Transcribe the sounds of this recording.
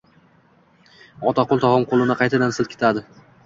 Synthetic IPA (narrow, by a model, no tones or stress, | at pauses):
ɒt̪ʰaqolˠt̪ʰɒʁɒmqʰolˠɪnaqʰɑjt̪ʰad̪ansɪlˠt̪kʲʰe̥t̪ʰad̪ɪ